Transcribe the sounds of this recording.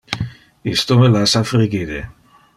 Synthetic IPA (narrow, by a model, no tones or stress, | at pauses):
ist̪omelasafɾiɡid̪e